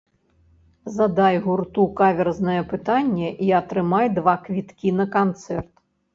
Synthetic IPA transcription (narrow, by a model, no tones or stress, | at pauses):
zɐd̪ajɣurt̪ukavʲɛrznɐjɛpɨt̪anʲːɛʔiɐt̪ɾɨmajd̪vakvʲit̪kʲinɐkant̪sɛrt̪